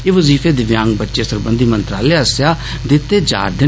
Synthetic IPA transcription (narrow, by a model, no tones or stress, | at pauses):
eːʋəziːfʰeːd̪ɪʋjãːŋɡbətːʃeːsəɾbənd̪iːmə̃nt̪ɾa̰ːleːsjaː | d̪ɪt̪ːeːd͡ʒa̰ːɾd̪ɪ